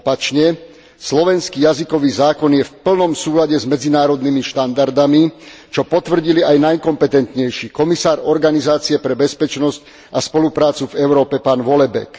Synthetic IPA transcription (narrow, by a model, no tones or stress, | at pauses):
ɔpat͡ʃɲɛ | slɔʋɛnskiːjazikɔʋiːzaːkɔnjɛfpl̩nɔmsuːlaɟɛzmɛd͡zinaːɾɔd̪nimiʃt̪and̪aɾd̪ami | t͡ʃɔpɔt̪ʋr̩ɟiliʔajnajkɔmpɛt̪ɛnt̪ɲɛjʃiːkɔmisaːɾɔɾɡanizaːt͡siɛpɾɛbɛspɛt͡ʃnɔsc | aspɔlupɾaːt͡suvɛʊɾɔːpɛpaːnʋɔlɛbɛ̰k